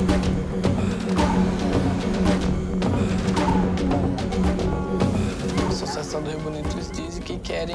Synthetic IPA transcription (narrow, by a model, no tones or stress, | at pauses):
asosiasɐ̃w̃d̪ʊzbunit̪ʊzd̪izɪkɪkɛɾẽ